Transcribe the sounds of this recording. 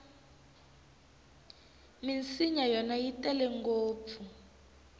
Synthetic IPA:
mint͡siɲajɔnajitʼɛlɛŋɡoːp̪fu

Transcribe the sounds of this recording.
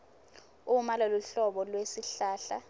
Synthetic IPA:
umalaluɬɔɓɔlwesiɬaːɬa

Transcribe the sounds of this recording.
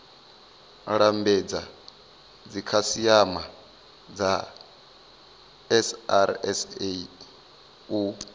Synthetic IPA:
ɺambɛd͡za | d͡zikʰasiama | d͡za | ɛsa̰ɾ̰ɛ̰se | u

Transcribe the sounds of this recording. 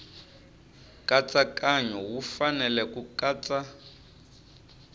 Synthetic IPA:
kʼat͡sʼakʼaɲɔwufanɛlɛkukʼaːt͡sʼa

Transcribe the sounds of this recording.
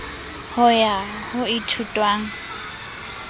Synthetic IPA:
hʊja | hʊɪtʰutʼwaːŋ̩

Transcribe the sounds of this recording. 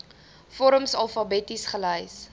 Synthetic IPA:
fɔɾəmsɐlˠfɐbɛtisχələjs

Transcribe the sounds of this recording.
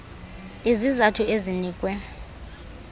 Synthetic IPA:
izizatʰuʔeziniːkʼwɛ

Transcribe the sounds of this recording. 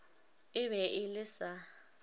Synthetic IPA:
ɪβɛʔɪlɪsa

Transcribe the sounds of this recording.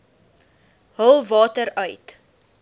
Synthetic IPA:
ɦəlˠvɑːtəɾœɥt

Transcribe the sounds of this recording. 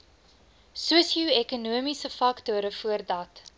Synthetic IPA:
suəsiuɛkunuəmisəfɐktuəɾəfuərdɐt

